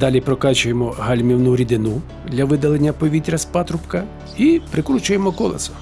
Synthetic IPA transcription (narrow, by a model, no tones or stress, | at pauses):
d̪ɑlʲipɾɔkɑt͡ʃʊjemɔɦɐlʲmʲiwnuɾʲid̪ɪnu | d̪lʲɐʋɪd̪ɐlˠenʲːɐpɔʋʲit̪ʲɾʲɐspɑt̪ɾʊpkɐ | ipɾɪkɾut͡ʃʊjemɔkɔlˠɐ̰sʊ̥